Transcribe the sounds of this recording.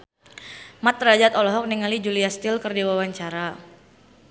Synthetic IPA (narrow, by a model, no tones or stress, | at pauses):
mat̪ːɾad͡ʒat̪ɔlɔɦɔk̚niŋalid͡ʒuliast̪ɪlkərdiwawaɲt͡ʃaɾa